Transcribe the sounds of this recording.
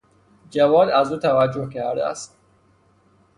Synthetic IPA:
d͡ʒævɒːd̪æzuːt̪ʰævæd͡ʒːohcʰæɾd̪æ̰æ̰st̪

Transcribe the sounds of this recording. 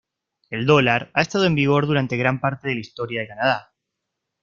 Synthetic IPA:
e̞ld̪o̞laɾaest̪aðo̞e̞mbiɣ̞o̞ɾðuɾant̪e̞ɣ̞ɾampaɾt̪e̞ðe̞laist̪o̞ɾjaðe̞kanað̞a

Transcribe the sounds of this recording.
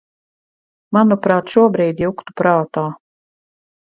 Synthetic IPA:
manupɾaːt̪ʃuɔbɾiːd̪ijukt̪u̥pɾaːt̪aː

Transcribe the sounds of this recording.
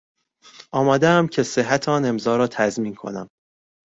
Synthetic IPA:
ʔɒːmæːd̪eæmcʰe̞se̞ɦːæt̪ʰɒːne̞mzɒːɾɒːt̪ʰæzmiːnkʰo̞̰næ̰m

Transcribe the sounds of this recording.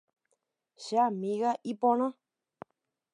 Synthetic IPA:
ʃeamĩɣaʔipõɾ̃ã

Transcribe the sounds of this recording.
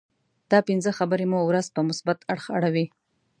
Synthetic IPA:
d̪̥ɑpɪnzəxabəɾemuwɾazpəmʊsbat̪aɽxaɽawi

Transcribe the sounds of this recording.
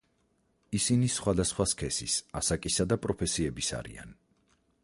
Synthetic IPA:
isinisχwad̪asχwaskʰɛsḭsasakʼisad̪apʼɾɔpʰɛsiɛbisa̰ɾḭa̰n

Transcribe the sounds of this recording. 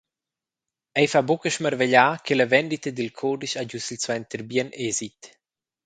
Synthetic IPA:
ɛjfabokəʃməɾveʎaːkʰeləvɛnd̪it̪əd̪ilkʰɔdiʃaɟusilswɛnt̪əɾbjɛnʔɛzit̪

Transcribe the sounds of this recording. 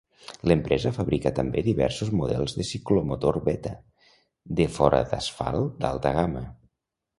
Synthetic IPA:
ləmpɾʔɛzəfəβɾikət̪əmbeðiβɛ̰ɾsuzmuðɛlˠzðəsiklomut̪oɾβɛt̪ə | d̪əfɔɾə̰ðəsfa̰lˠd̪a̰lˠt̪əɣamə

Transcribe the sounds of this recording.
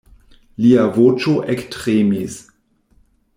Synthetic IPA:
liavot͡ʃoʔektʁemis

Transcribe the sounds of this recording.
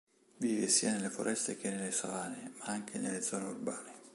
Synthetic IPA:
viːvɪsiːanelːefoɾʔɛst̪ek̟enelːesavaːnemaaŋk̟ʰenelːed̪zɔːneurbaːne

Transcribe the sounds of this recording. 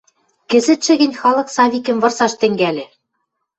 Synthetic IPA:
kɘ̆zɘ̆t̪ʃɘ̆ɣɘ̆nʲxɑlˠɤ̆ksɑβʲikɘ̆mvɤ̆rsɑʃt̪ɘ̆ŋɡælʲɘ̆

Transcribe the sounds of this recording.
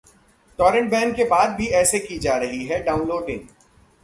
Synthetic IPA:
ʈɔːɾə̃ɳʈ̚bɛ̃ːŋkebaːd̪̚bʱiɛːsekid͡ʒaːɾɐɦiɦɛɖaːʊ̃nloːɖɪ̃ŋ

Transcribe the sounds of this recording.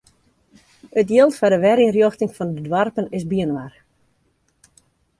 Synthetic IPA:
ətjiəlˠtfadəʋɛɾiənrjoxtɪŋfɔndədwarpənɪsbiənʋar

